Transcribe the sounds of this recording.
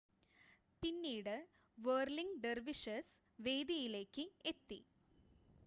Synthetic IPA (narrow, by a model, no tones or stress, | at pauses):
pinːiːɽɨ | ʋeːrliŋɡɖerʋiʂɐs | ʋe̞ːd̪ɐjile̞ːkːɨet̪ːḭ